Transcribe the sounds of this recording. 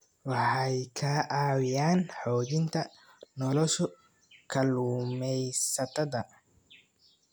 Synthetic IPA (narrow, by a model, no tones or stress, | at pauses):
wɑħɑjkʰaːʔaːwɪjaːnħɔːd͡ʒɪnt̪ʰɐ | nɔlɔʃɔ | kʰɐluːmɛjsɐt̪ʰɐðɐ